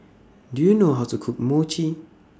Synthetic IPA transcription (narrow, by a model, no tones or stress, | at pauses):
dujunoɦaʊtʰukʰuk̚mot͡ʃʰi